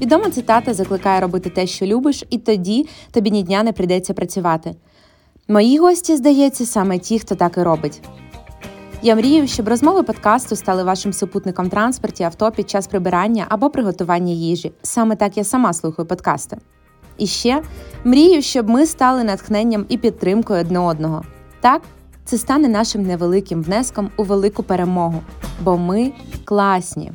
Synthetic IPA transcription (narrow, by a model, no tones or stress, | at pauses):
ʋʲid̪ɔmɐt̪sɪt̪ɑt̪ɐzɐklˠɪkɑjɛɾɔbɪt̪ɪt̪ɛʃt͡ʃɔlʲubɪʃit̪ɔdʲit̪ɔbʲidʲnʲidʲnʲanɛpɾɪjd̪ɛt͡sʲːɐpɾɐt͡sʲʊʋɑt̪ɪ | mɔjiɦɔsʲtʲizd̪ɐjɛt͡sʲːɐsɑmɛtʲixt̪ɔt̪ɑkɪɾɔbɪtʲ | jamɾʲijʊʃt͡ʃɔbrɔzmɔʋɪpɔt̪kɑst̪ʊst̪ɑlˠɪʋɑʃɪmsʊput̪nɪkɔmt̪ɾɑnspɔrtʲiɐwt̪ɔpʲid̪̚t͡ʃɑspɾɪbɪɾɑnʲːɐʔɐbɔpɾɪɦɔt̪ʊʋɑnʲːɐjiʒisɑmɛt̪ɑkjasɐmɑslˠuxɐjʊpɔd̪kɑ̰st̪ɐ | iʃt͡ʃɛmɾʲijʊʃt͡ʃɔbmɪst̪ɑlˠɪnɐt̪xnɛnʲːɐmipʲid̪̚t̪ːɾɪmkɔjʊɔd̪nɛɔd̪nɔɦɔ | t̪ɑk | t̪sɛst̪ɑnɛnɑʃɪmneʋelˠɪkɪmʋnɛskɔmʊʋelˠɪkʊpeɾe̞mɔɦʊbɔmɪklˠɑsʲnʲḭ